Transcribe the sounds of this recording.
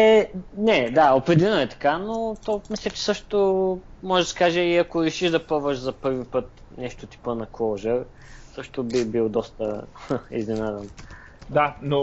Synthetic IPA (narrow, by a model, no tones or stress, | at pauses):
ɛnɛd̪aopɾɛd̪ɛnoɛt̪ɐ̥kanot̪ɔmislʲət͡ʃɛ̥sɤʃt̪omɔʒɛd̪ɐsɛ̥kaʒəiɐkoɾɛʃiʒd̪ɐpɔvɐʃzɐpɤɾvipɤt̪ | nɛʃt̪ot̪i̥pənɐkoʒəɾ | sɤʃt̪obibilˠd̪ɔst̪əḭznɛnad̪ən | d̪ano